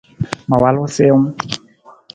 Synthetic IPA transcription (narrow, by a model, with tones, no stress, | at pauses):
ma˨wa˦lɔ˦se˦ŋ̩˦